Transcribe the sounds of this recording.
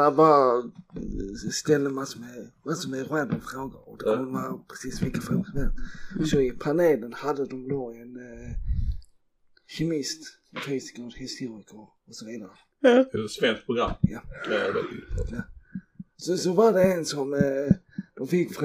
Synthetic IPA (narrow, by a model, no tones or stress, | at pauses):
ava | st̪ɛlːəmasɔmɛmasɔmɛɾɛːbəmfɾoːɡə̰ɔd̪ɛkʰɔnd̪əmanpʰɾɛsiːsvɪlkːəfɾoːɡəsmɛlsɔɪpʰaneːlənhad̪ːəd̪ɔmd̪oɛn | çɛmɪst̪ | fʰɛːsɪ̥kad̪hɪst̪uːɾɪkə | ɔsɔviːd̪aɾə | spɛnt̪̚pʰʊɡɾamːja | ja | sɔsɔvad̪ɛɛnsɔm | d̪̥ɔmfɪkːf